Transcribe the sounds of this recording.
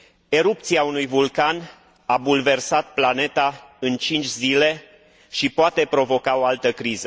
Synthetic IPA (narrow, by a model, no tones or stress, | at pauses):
e̞ɾup̚t̪siaunujvulkan | abulve̞rsat̪̚plane̞t̪aɨnt͡ʃint͡ʃʲzile̞ | ʃipoat̪e̞pɾo̞vo̞kao̞alt̪əkɾizə